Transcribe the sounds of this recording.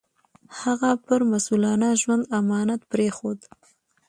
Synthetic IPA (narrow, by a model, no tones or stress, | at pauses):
haɣapəɾmasulɑnaʒwand̪amɑnat̪pɾexod̪